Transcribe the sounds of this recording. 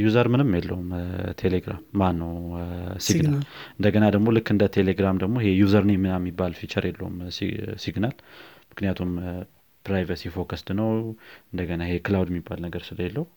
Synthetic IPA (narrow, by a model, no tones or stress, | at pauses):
juzəɾmɨnɨmjɛlːəwumt̪ʰeleɡɾa̰mːanːəwsiɡnalɨnd̪əɡənad̪əɡmo̞lɨkːɨnd̪ət̪ʰeleɡɾamd̪əɡmoɦejuzəɾnjɛmːɨnamːibːalfit͡ʃəɾjɛlːəwṵm̰siɡnalmɨknijat̪ʰum | pɾajvəsifo̞kəst̪nəwɨnd̪əɡənaehekɨlawd̪ɛmːibːalnəɡəɾsɨləjɛlːəhu